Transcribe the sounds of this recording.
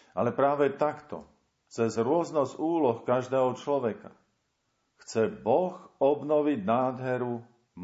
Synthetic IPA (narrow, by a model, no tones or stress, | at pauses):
ʔalɛpɾaːʋɛt̪akt̪ɔ̰ | t͡sɛzɾʊɔznɔzuːlɔxkaʒd̪ɛːɦɔt͡ʃlɔʋɛka̰ | xt͡sɛbɔxɔbnɔʋiɟnaːd̪ɦɛɾu | m